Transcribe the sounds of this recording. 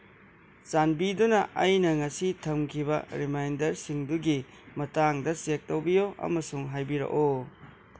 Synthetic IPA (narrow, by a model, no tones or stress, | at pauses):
t͡ʃanbidunɐʔɐjnɐŋɐsitʰɐmkʰibɐ̰ɾimajndɐɾsiŋduɡi | mɐtaŋdɐsek̚tɐwbijoʔɐ̰mɐsuŋɦajbiɾɐ̰ʔo